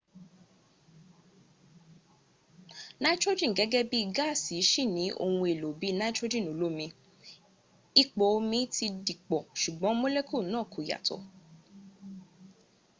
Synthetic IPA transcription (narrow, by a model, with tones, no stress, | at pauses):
na˦d͡ʒo˦d͡ʒĩ˦˨ɡɛ˨˦ɡɛ˦bi˦i˧ɡa˦˨si˨˦ʃi˦˨nĩ˨˦ʔo̰˧hũ˧e˨lo˨bi˨˦nã˦d͡ʒo˦d͡ʒĩ˦˨nõ˨˦lo˦mĩ˧ | i˦k͡po˧˦˧mĩ˧ti˧di˨k͡pɔ˨ʃu˨ɡ͡bɔ̃˨˦mo˦le˦kʰo˦˨nãː˦˨kʰo˨ja̰˨tɔ̰˨